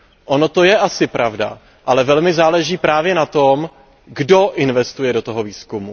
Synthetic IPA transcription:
ʔo̞no̞t̪o̞jɛʔasɪpɾʔavda̰ | ʔalɛvɛlmɪzaːlɛʒiːpɾaːvjɛnat̪om | ɡdo̞ʔɪnvɛst̪ujɛdo̞t̪o̞ɦoviːskumu

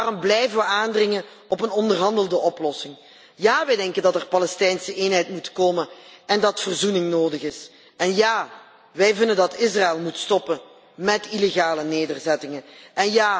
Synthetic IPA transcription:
arɔmblɛjvənʋəaːndrɪŋən | ɔpənɔndərɦɑndəlˠdəɔplɔsɪŋ | jaːʋɛjdɛŋkəndɑtɛrpɑlɛstɛjnsəʔeːnɦɛjtmutkoːmənɛndɑtfərzunɪŋnoːdəɣɪs | ɛnjaː | ʋɛjvɪndəndɑtɪs̬raɪlˠmutstɔpə | mɛtileɣaːləneːdərzɛtɪŋənʔɛnjaː

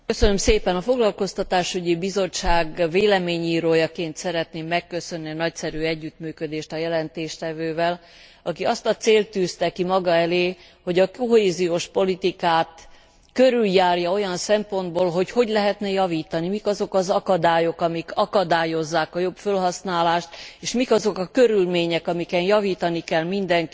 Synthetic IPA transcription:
køsønømseːpɛnɒfo̞ɡlɒlko̞st̪ɒt̪aːʃyɟibizo̞t͡ʃt͡ʃːaːɡveːlɛmeːɲiːɾoːjɒkeːnt̪sɛɾɛt̪neːmːɛkːø̞sø̞nːinɒcsɛɾyːɛɟːyt̪myːkø̞d̪eːʃt̪ɒjɛlɛnt̪eːʃt̪ɛvøːvɛl | ɒkiɒst̪ɒt̪seːlt̪ːyːst̪ɛkimɒɡɒɛleː | ho̞ɟɒkoɦeːzijoːʃpo̞lit̪ikaːt̪ | køɾyljaːrjɒo̞jɒnsɛmpo̞nd̪̚boːlɦo̞cho̞ɟlɛɦɛt̪nɛjɒviːt̪ɒnimikɒzo̞kɒzɒkɒd̪aːjo̞kɒmikɒkɒd̪aːjo̞zːaːkɒjo̞pfølɦɒsnaːlaːʃt̪eːʃmikɒzo̞kɒkø̞ɾylmeːɲɛkɒmikɛnjɒviːt̪ɒnikɛlmind̪ɛŋk

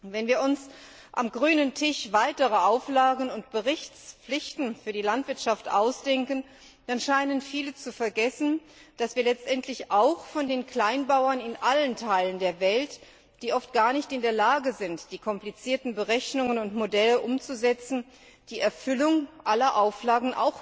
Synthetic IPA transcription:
vɛnviːɐʊns | ʔa̰mɡʁyːnəntʰɪʃv̥aɪtəʁəʔaʊflaːɡŋ̩ʊntb̥əʁɪçt͡sp͡flɪçtn̩fyːɐdiːlantv̥ɪɐtʃaftʔa̰ʊsd̥ɛŋkən | d̥anʃaɪnənfiːlət͡sufɛɐɡɛsn̩ | d̥asv̥iːɐlɛt͡stʔɛntʰlɪçʔaʊxfɔndeːnkl̥aɪnbaʊɐnɪnʔaləntʰaɪləndeːɐvɛlt | d̥iːʔɔft̚ɡ̥aːɐnɪçtɪndeːɐlaːɡəzɪntd̥iːkʰɔmplit͡siːɐtn̩bəʁɛçnʊŋənʊntmodɛləʔʊmt͡suzɛt͡sn̩ | d̥iːʔɛɐfʏlʊŋʔalɐʔaʊflaːɡŋ̩ʔa̰ʊx

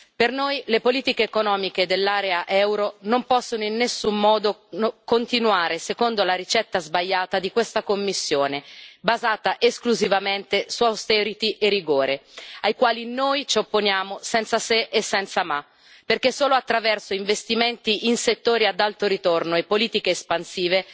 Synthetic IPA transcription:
pernojlepoliːt̪ikeːkonɔːmiked̪elːaːɾeaʔɛwɾonompɔsːonoinːesːumːɔːd̪ookont̪inuaːɾesekond̪olaɾit͡ʃɛt̪ːazbaʎːaːt̪ad̪ikwest̪akomːisːjoːnebazaːt̪aʔeskluzivament̪esuawst̪ɛːɾit̪iʔeriɡoːɾeajkwaːlinojt͡ʃopːonjaːmosɛnt̪saseʔesːɛnt̪sama | perkesːoːloat̪ːɾavɛrsoiɱvest̪iment̪iʔinset̪ːoːɾiad̪alt̪oɾit̪ornoepːoliːt̪ikeːspansiːve

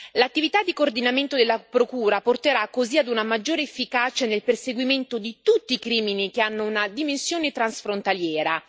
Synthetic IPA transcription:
lat̪ːivit̪ad̪ːikoːrd̪inament̪od̪elːapɾokuːɾaport̪eɾakːoziad̪unamad͡ʒːoːɾeːfːikat͡ʃanelperseɡwiment̪od̪it̪ut̪ːiːkɾiːminikeanːounad̪imensjoːnet̪ɾansfɾont̪aljɛːɾa

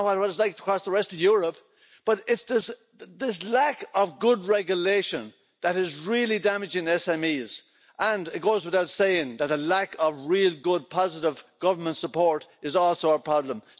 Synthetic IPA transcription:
wawʌɾəzlaɪk̚ə̥kʰɹ̥ɔsðəɹɛstʌvjʊɹəp | b̥ʌɾɪtsðɪs | ðɪs̬lakəvɡʊd̚ɹɛɡjəleɪʃə̃n | ðəɾɪzɹɪlˠidamɨd͡ʒɪ̃ŋɛsɛ̃miz̥ | ʔə̃nɪt̚ɡ̥oʊzwɪθaʊtseɪɪ̃ŋðət̪̚ðəlakəvɹilˠɡʊd̚pʰɑzɪɾɪv̥ɡ̥ʌvə˞mə̃ntsəpʰɔɹɾɨzɔlˠsoʊaə˞pʰɹ̥ɑblə̃m

